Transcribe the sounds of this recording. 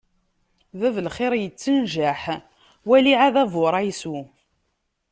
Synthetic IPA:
ðævəlχɪɾjət͡sːənʒaħ | wæliʕaðævoɾˤæjsu

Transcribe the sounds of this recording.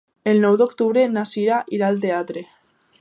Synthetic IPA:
elnowðokt̪uβɾenasiɾaʔiɾalt̪̬eat̪ɾe

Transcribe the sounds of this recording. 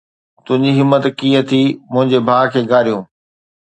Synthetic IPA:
t̪ʊ̃ɦɪ̃ɲd͡ʑiɦɪmːət̪kiːət̪ʰiːmʊ̃ɦɪ̃ɲd͡ʑebʱaːkʰeːɡʱaːɾijũː

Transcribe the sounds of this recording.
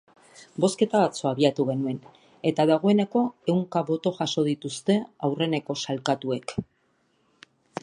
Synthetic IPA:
bo̞ske̞t̪aβat͡so̞aβiat̪uɣe̞nue̞n | e̞t̪aðaɣ̞o̞e̞ne̞ko̞e̞wŋkaβo̞t̪o̞ʝaso̞ð̞it̪ust̪e̞awre̞ne̞ko̞salkat̪ue̞k

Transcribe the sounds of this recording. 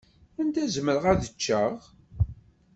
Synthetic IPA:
ænd̪æzməɾəʁæðət͡ʃːəʁ

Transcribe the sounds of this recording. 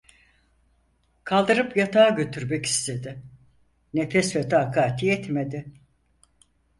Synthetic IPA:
kʰalˠd̪ɯɾɯpjat̪ʰaːɟø̞t̪ʰyɾmɛci̥st̪ʰe̞d̪ɪ | nefɛsfɛt̪ʰaːkʰaːt̪ʰiɛt̪med̪ɪ

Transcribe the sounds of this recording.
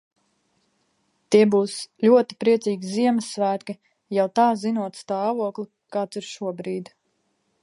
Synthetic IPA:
t̪iɛbuːslʲuɔt̪i̥pɾiɛtsiːɡʲiziɛməsːvæːt̪kʲi | jawt̪ɑːzinuɔt̪st̪ɑːvuɔklˠi | kaːt̪siɾʃuɔbɾiːd̪

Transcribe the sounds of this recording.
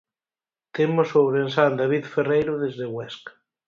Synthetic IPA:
t̪emosoβɾensand̪aβ̞iðferejɾoðezðeɣwɛskḁ

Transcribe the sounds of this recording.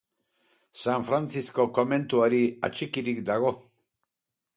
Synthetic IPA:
saɱfɾant͡sisko̞ko̞me̞nt̪uaɾia̰t͡ʃikiɾikd̪aɣ̞o̞

